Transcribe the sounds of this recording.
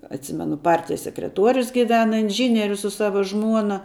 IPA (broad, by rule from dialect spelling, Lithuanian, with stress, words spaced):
ɐtʲˈsʲɪmʲɛnʊ ˈpɐrʲtʲɪjɛs sʲɛkrʲɛˈtuɔrʲʊs ɡʲɪˈʋʲæːnɐ ɪnʲˈʒʲiːnʲiɛrʲʊs sʊ ˈsɑːʋɐ ˈʒmuɔnɐ